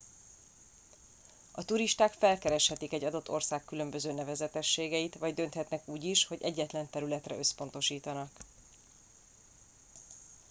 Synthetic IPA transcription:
ɒt̪uɾiʃt̪aːkfɛlkɛɾɛʃhɛt̪ikɛɟːɒd̪o̞t̪ːo̞rsaːkːylø̞mbø̞zøːnɛvɛzɛt̪ɛʃːeːɡɛjit̪ʋɒɟd̪ø̞nt̪hɛt̪nɛkuːɟiʃho̞ɟɛɟːɛt̪lɛnt̪ɛɾylɛt̪rɛ̰ø̞spo̞n̪t̪o̞ʃiːt̪ɒnɒk

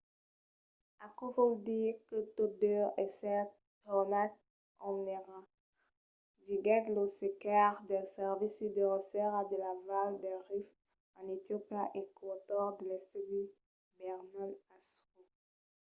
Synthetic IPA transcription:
akɔvɔld̪iʁkət̪odøɛsɛ | t̪ɔnat̪̚ | ɔneʁa | diɡɛt̪losekaʁd̪ɛsɛʁvisid̪əʁəsɛʁad̪əlavald̪ɛʁif | ɑ̃nit̪jopaʔekwat̪ɔʁd̪əlɛst̪id̪i | bɛʁnalaso

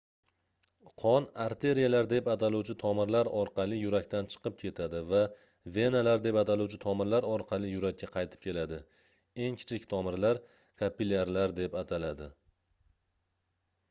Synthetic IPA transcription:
qʰɒnaɾt̪ʰe̞ɾijalaɾd̪e̞pat̪ʰaluwt͡ʃʰɪt̪ʰɒmɪɾlaɾɒɾqɑlˠɪjʊɾakʲt̪ant͡ʃʰɨ̥qɨp̚kʲʰe̞t̪ʰad̪ɪva | ve̞nalaɾd̪e̞pat̪ʰaluwt͡ʃʰɪt̪ʰɒmɪɾlaɾɒɾqʰɑlˠɪjʊɾakʲːaqʰɑjt̪ʰɪ̥p̚kʲʰe̞lad̪ɪ | e̞ŋkʲʰɪ̥t͡ʃʰɪkʲt̪ʰɒmɪɾlaɾ | kʰapilʲaɾlaɾd̪e̞pat̪ʰalad̪ɪ

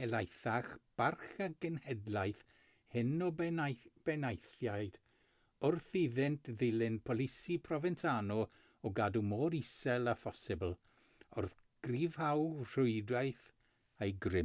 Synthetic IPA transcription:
ɛlajθaχb̥arχaɡənhɛdlˠajθ | hɪnɔ | b̥ɛnajθjajd̥ | ʊrθiðɪntʰðɪlɪnpʰɔlˠɪsipʰrɔvɛntʰanɔ | ɔɡadumoːɾisɛlˠafɔsɪbəl̩ˠ | ʊrθ | ɡ̥riːv̥hawr̥ʊɨdajθ | ejɡrɪ

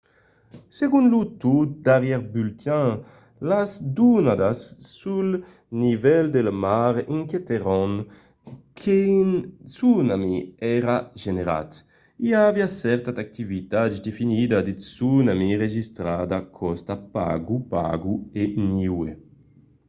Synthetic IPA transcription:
seɡunlut̪ut̪̚d̪aɾjɛɾbylt̪ã | lazd̪unad̪asːul | nivɛld̪elmaɾiŋket̪eɾɔŋ | kʰensunamiɛɾaʒeneɾa̰t̪ | iaviasɛɾt̪ad̪ak̚t̪ivit̪ad͡ʒd̪efinid̪ad̪isunamiʁeʒist̪ɾad̪akʰɔst̪apa̰ɡupa̰ɡueniwe

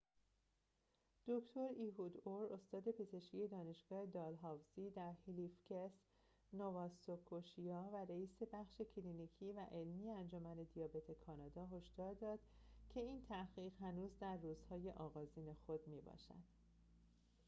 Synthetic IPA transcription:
d̪̥oct̪ʰo̞ɾiːɦuːd̪oɾost̪ɒːd̪e̞pʰe̞ze̞ʃkʰije̞d̪ɒːne̞ʃɡ̥ɒːhe̞d̪ɒːlɦɒːvziːd̪æɾhilifcʰes | novɒːsokʰːoʃijɒːvæɾeiːse̞bæχʃe̞cʰliniːcʰiːvæʔe̞lmiːjeænd͡ʒomæne̞d̪ijɒːbe̞t̪ʰe̞kʰɒːnɒːd̪ɒːɦo̞ʃd̪ɒːɾd̪ɒːd̪̥cʰe̞iːnt̪ʰæɣiːɣɦænuːzd̪æɾːuːz̥hɒːje̞ʔɒːɣɒːziːne̞xo̞d̪miːbɒ̰ːʃæ̰d̪̥

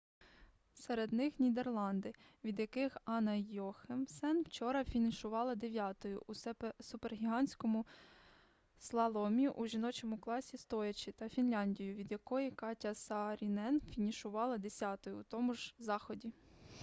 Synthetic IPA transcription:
sɛɾed̪nɪxnʲid̪erlˠɑnd̪ɪʋʲid̪jɐkɪxɑnɐjɔxemsɛnwt͡ʃɔɾɐfʲinɪʃʊʋɑlˠɐd̪e̞ʋʲjɑt̪ɔjʊ̰ʔusʊperɦʲiɦɑnʲsʲkɔmʊ | slˠɐlˠɔmʲiʔuʒinɔt͡ʃɔmʊklˠɑsʲist̪ɔjɐt͡ʃʲit̪ɐfʲinlʲɑnʲdʲijʊʋʲid̪jɐkɔjikɑtʲɐsɐɾʲinɛnfʲinʲiʃʊʋɑlˠɐd̪esʲɑt̪ɔjʊːt̪ɔmʊʒzɑxɔdʲi

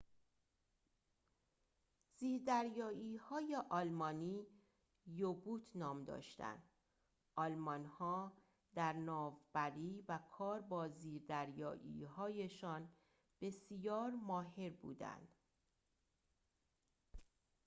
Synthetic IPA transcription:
z̥iːɾd̪æɾjɒːiːhɒːjeʔɒlmɒːniː | jobuːt̪ʰnɒːmd̪ɒ̰ːʃt̪æ̰nd̪̥ | ʔɒlmɒnhɒː | d̪æɾnɒːvbæɾiːvækʰɒːɾbɒːziːɾd̪æɾjɒ̰ːʔḭːɦɒːje̞ʃɒːn | b̥e̞sijɒːɾmɒːɦe̞ɾbṵːd̪æ̰nd̪̥

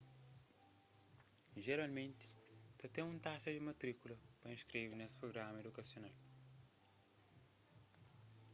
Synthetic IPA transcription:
ʒeɾalmẽnt̪ɪ̥t̪ɐt̪ẽũt̪aʃɐd̪imɐt̪ɾikulɐpɾɐĩʃkɾevnesɪ̥pɾoɡɾamɐed̪ukɐsjonal

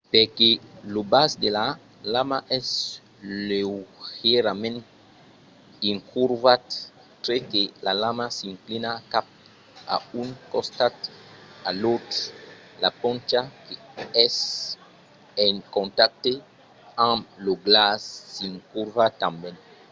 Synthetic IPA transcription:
pekelobasd̪ela | lamaʔɛs | lewheɾamɛ̃nt | ĩŋkʰuɾvat | tɾekelalamasĩŋklinakap̚ | a̰unkɔ̃st̪atalot̪ɾ | lapɔ̃nt͡ʃakeɛs | ẽŋkɔ̃ntak̚t̪e | ãmloɡlasːiŋkuɾvat̪ãmbɛ̃n

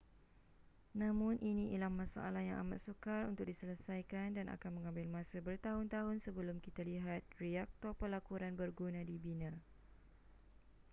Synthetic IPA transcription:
nãmʊ̃nʔinĩʔilamːãsa̰alahja̰ŋʔa̰ma̰t̪sukarunt̪ʊk̚disələsajkandana̰kanmə̃ŋãmbɪlmãsabərt̪aɦʊnt̪aɦʊnsəbəlʊmkit̪aliɦat̪̚riak̚t̪ɔrpəlakuɾanbərɡunãdibinã

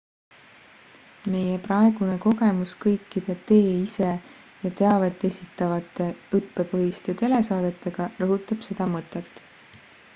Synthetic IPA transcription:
me̞jeprɑe̞ɡ̥une̞ko̞ɡe̞muskɤjkːˑid̪̥et̪e̞ːise̞ | jɑt̪e̞ɑvet̪ːˑe̞sit̪ːˑɑvɑt̪ːˑe̞ɯpːe̞pɤɦist̪e̞t̪e̞le̞sɑːd̪̥e̞t̪ːˑe̞ɡ̥ɑrɤɦut̪ːˑɑb̥se̞d̪̥ɑmɤt̪ːˑe̞t̪ːˑ

